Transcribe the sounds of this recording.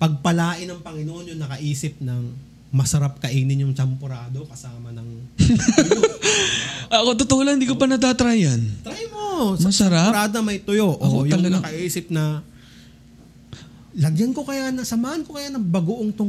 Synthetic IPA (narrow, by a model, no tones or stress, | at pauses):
pɐɡ̚pɐlaːʔɪnɐŋpɐŋɪnoːʔonjʊŋnɐkɐʔiːsɪp̚nɐŋ | mɐsɐɾap̚kɐʔiːnɪnjʊŋt͡ʃɐmpoɾaːd̪o̞kɐsaːmɐnɐŋ | ʔɐkot̪ot̪oʔolaɪnd̪ikopɐnɐt̪̬at̪ɾajɐnt̪ɾajmo̞smɐɐsɐɾaɾaːd̪oɐmɐjt̪ʊjo̞ʔjɐŋnɐkɐʔiːsɪp̚nɐ | lɐɡjɐnko̞kɐjanɐsɐmaːhɐnkokɐjanɐbɐɡoʔoŋt̪ʊ